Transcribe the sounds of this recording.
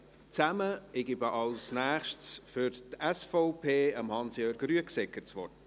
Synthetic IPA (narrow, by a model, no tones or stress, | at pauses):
t͡sæməɪɡybəʔɑlsnæːχʃtsfʏɾtɛsfɔʊpʰeːəmhɑnsjœːɾɡryəksɛkət͡sʋɔrt